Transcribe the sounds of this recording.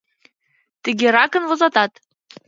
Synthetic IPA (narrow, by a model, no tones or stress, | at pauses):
t̪ɘ̆ɡeɾɑkə̆nvozɑt̪ɑt̪